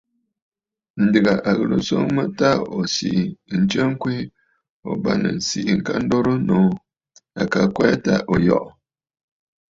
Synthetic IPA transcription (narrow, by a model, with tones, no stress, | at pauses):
n̩˨dɨ˨ɣa˨ʔa˨ɣɨ˨ɾɨ̰˨so˦ŋmə˦ta˦o˨sḭ˨ʔn̩˨t͡ʃə˦ŋ̩˦kwi˦ | o˨ba˦nɨ̰˨n̩˨si˨ʔŋ̩˨ka˦n̩˦do˦ɾɨ˦noː˨˦ | a˨ka˨kɛ˦ta̰˦ʔo˨jɔ̰˦˨ʔ